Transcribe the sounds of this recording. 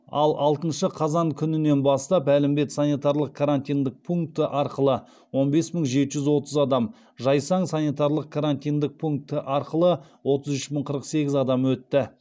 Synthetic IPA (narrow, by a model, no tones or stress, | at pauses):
ɑ̰lˠʔɑlˠt̪ənʃəqʰɑzɑŋkʲʰʏnɪne̞nbɑst̪ɑpælɪmbe̞t̪sanijt̪ɑɾlˠəq̚kʰaɾant̪ijnd̪ɪk̚pʰuŋk̚t̪əʔɑɾqəlˠə | wo̞nbe̞sməŋʒe̞t̪ɪʒʏzwo̞t̪əzɑd̪ɑm | ʒɑjsɑɴsanit̪ɑɾlˠəq̚kʰaɾant̪ijnd̪ɪk̚pʰuŋk̚t̪əʔɑɾqəlˠə | wo̞t̪əzʏʃməɴqʰəɾəqse̞ɡʲɪzɑd̪ɑmwɵt̪ːɪ